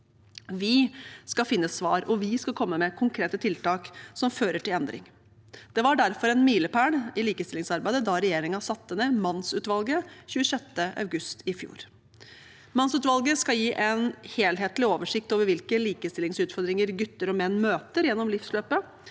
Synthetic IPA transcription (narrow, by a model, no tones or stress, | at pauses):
ʋɪskɑfɪnːəsʋɑːɾɔʋɪskɑkʰɔmːəmɛkʰʊŋkʰɾeːt̪ət̪ʰɪlt̪ɑːksɔmføːɾəʈɪlɛnd̪ɾɪ̰ŋ | d̪̥ɛʋɑɖæɾfɔɾɛnmiːləpʰæːɳɪliːkəst̪ɪlɪŋsɑɾbæɪd̪əd̪ɑɾɛjeːɾɪŋɑsɑt̪ːənəmɑnsʉːt̪ʋɑlɡəçʉːəsɛt̪ːəʔɑ̰ʉɡʉst̪ʰɪfjṵːɾ | mɑnsʉːt̪ʋɑlɡəskɑjiːʔɛnheːlɦeːt̪lɪoːʋəʂɪk̚t̪oːʋəɾʋɪlkəliːkəst̪ɪlɪŋsʉːt̪fɔɾd̪ɾɪŋəɾɡʉt̪ːəɾɔmɛnːmøːt̪əɾjɛnːɔmlɪfsløːpə